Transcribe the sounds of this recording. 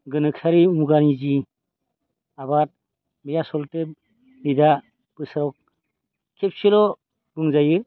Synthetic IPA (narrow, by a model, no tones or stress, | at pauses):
ɡɯnɯksaɾiumuɡanizi | abat̚ | mijasɔlte | nida | pɯsaɾɔk̚ | kʰep̚silɔ | ɡuŋzajɯ